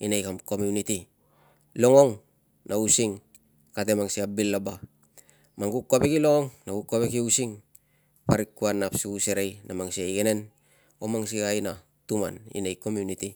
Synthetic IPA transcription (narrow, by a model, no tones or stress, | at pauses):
inejkamko̞miuniti | lo̞ŋo̞ŋ | nausiŋ | kat̬e̞maŋsiabilːaba | maŋɡukːapekilo̞ŋoŋnaɡukːapekiusiŋ | paɾikːuanːapsuuseɾejnamaŋsiajɡene̞n | omaŋs̬ikajna | tuma̰nḭnejko̞mjuniti